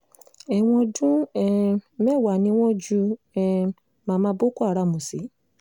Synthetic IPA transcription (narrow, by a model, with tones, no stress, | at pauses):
ɛ˨w̃ɔ̃˧dũ˦ɛ˧mɛ˦˨wa˨nĩ˧˦w̃ɔ̃˦d͡ʒu˧ | ɛ˧ | mã˨˧mã˧˦bo˦ko˦a˦˨ɾa˧˨mũ˨si˨˦